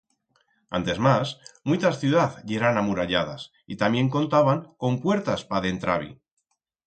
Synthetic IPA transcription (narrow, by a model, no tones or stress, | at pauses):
ant̪e̞zmasmujt̪asθjuðaθʎeɾanamuɾaʎað̞a̰s | it̪amje̞ŋko̞nt̪aβaŋko̞mpwe̞ɾt̪aspaðe̞nt̪ɾa̰β̞ḭ